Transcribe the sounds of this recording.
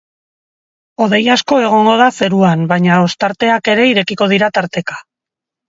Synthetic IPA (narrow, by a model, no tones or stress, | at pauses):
o̞ð̞e̞jasko̞e̞ɣ̞o̞ŋɡo̞ð̞ase̞ɾuanbajɲao̞st̪aɾt̪e̞ake̞ɾe̞iɾe̞kiko̞ð̞iɾat̪aɾt̪e̞kḁ